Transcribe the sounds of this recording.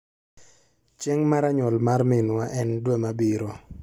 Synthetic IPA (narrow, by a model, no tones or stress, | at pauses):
t͡ʃɛŋmaɾaɲɔlmarmɪnwaʔɛndwemabiɾo